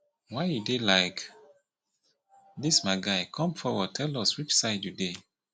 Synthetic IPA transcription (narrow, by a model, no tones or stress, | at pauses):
waɪjudelaɪk | dismaɪɡaɪkʰɔ̃mfɔwɔd̚tʰɛlɔswit͡ʃsaɪdjude